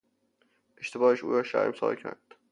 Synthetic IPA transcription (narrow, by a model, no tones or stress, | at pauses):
ʔeʃt̪ʰe̞bɒːheʃṵːɾɒːʃæ̰ɾmsɒ̰ːlcʰæ̰ɾd̪̥